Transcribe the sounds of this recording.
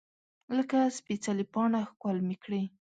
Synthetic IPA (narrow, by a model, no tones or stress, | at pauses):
ləkaspit͡salipɑnaxkwalmikɽi